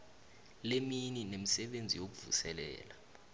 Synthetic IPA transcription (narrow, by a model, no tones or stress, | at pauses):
lemininemisɛɓend͡zʱḭjok̬uvṵsɛlɛ̰ːla